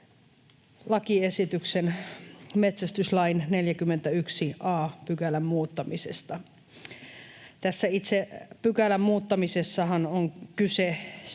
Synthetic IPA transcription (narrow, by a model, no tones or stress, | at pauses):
lɑkiesit̪yksenmet̪sæst̪yslɑinneljækymːent̪æyksiʔɑːpykælæmmuːt̪ːɑmisḛst̪ɑ | t̪æsːæit̪sepykælæmmuːt̪ːɑmisesːɑhɑnoŋkyse